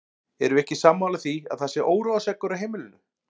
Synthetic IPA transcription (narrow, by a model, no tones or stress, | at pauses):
ɛɾʏɛhcɪsaːmːawlaθiaðθasɪʔoːwɾowðasɛkːʏɾaɦejmɪlɪnʏ